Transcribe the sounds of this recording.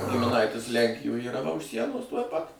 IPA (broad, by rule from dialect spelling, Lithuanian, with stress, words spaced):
ɡʲɪmʲɪˈnɐɪtʲɪs ˈlʲɛŋʲkʲɪjoːj iːˈrɐ ʋɐ ʊʃ ˈsʲiɛnoːs tuɔj ˈpɐt